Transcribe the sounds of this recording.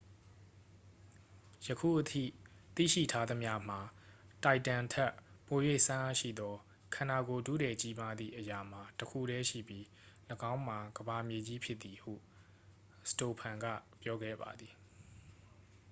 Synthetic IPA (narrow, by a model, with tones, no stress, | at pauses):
jəkʰṵ˦˨ʔətʰḭ˦˨t̪ḭ˦˨ʃḭ˦˨tʰa˦d̪ə˦mja˦m̥a˨ta˨ɪtːã˨ntʰɛ˦ʔpo˨jwe˦˨sã˦ʔa˦˨ʃḭ˦˨d̪ɔ˦ | kʰã˨na˨ɡo˨dṵ˦˨dɛ˨t͡ɕi˦ma˦d̪ðḭ˦˨ʔəja˨m̥a˨təkʰṵ˦˨ɾɛ˦ʃḭ˦˨bji˦ | ləɡã˦ʊ̃m̥a˨ɡəba˨mje˨d͡ʑi˦pʰjɪ˦t̪ːi˨hṵ˦˨ | sə̥to˨pʰã˨ŋɡa̰˦˨pjɔ˦ɡɛ̰˦˨ba̰˨d̪i˨